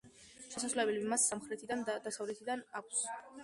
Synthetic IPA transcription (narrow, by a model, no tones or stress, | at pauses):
ʃɛsaslɛbɛlimasːamχɾɛt̪ʰid̪and̪ad̪asavlɛt̪ʰid̪anakʷʰs